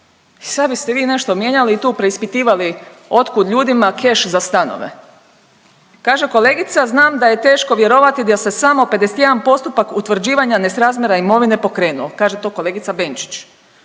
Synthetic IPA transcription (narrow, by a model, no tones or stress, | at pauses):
isad̪bist̪eʋiːne̞ʃt̪o̞mje̞ɲaliːt̪uːpɾe̞ispit̪iːʋalio̞t̪kud̪ʎuːd̪imakʰe̞ʃzast̪ano̰ʋe̞̰ | kaːʒe̞ko̞le̞ːɡit̪saznaːmd̪aje̞t̪e̞ːʃko̞ʋje̞ɾo̞ʋat̪id̪ase̞samo̞pe̞d̪eset̪je̞d̪anpo̞st̪upakut̪ʋr̩d͡ʑiːʋaɲanesɾaːzmjeɾaimo̞ʋine̞po̞kɾe̞ːnuokaːʒet̪o̞ːko̞leɡit̪sabe̞nt͡ʃi̥t͡ɕ